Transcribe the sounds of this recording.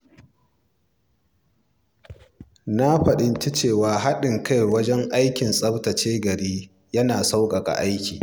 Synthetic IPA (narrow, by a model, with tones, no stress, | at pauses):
na˦ɸɐ˨ɗɪ˦nt͡ʃi˦t͡ʃeː˦˨waː˨ɦa˦ɗɪ˨ŋkʰa˦jwɐ˦d͡ʒɛ˦ŋʔa˦jkʲɪ˨nsʼɐ˦ɽtɐ˨t͡ʃeː˦ɡɐ˨ɽiː˦ | jɐ˦naː˨sa˦wkʼɐ˨kʼa̰˨ʔa˦jkʲiː˨